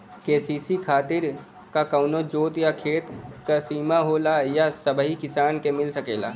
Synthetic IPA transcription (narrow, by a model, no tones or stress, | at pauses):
keːsiːsikʰaːt̪ɪɾ | kakəʊnod͡ʒoːt̪jakʰeːt̪kasiːmaɦoːlajasɐbʱɦikɪsaːnkemɪlsɐkeːla̰ː